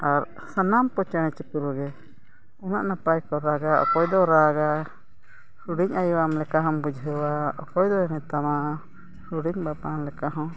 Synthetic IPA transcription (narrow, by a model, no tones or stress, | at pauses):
aɾ | sanampɔt͡ʃɛɽ̃ɛ̃t͡ʃipuɾɔɡɛ | ɔnaʔnapajkɔɾaɡaɔ̰kɔjd̪ɔɾaɡa | huɽiɲajwamlɛkaɦɔ̃mbud͡ʒɦəwaɔ̰kɔjd̪ɔɛnɛt̪ama | suɽiɲbapamlɛkaɦɔ̃